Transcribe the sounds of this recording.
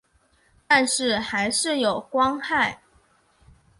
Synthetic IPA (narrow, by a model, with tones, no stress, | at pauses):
t̪a˥˧nʂɻ̩˥˩xa˧˥ɪʂɻ̩˥˩jo˨˩ʊkwɑ˥ŋxa˥˩ɪ